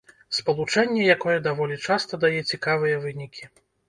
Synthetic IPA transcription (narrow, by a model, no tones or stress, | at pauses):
spɐlˠut͡ʂɛnʲːɛjakɔjɛd̪avɔlʲit͡ʂast̪ɐd̪ajɛt͡sʲikavɨjɐvɨnʲikʲʰi